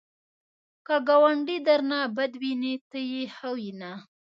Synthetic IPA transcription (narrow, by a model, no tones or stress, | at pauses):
kaɡawaɳɖid̪aɾnabad̪winit̪əjehawina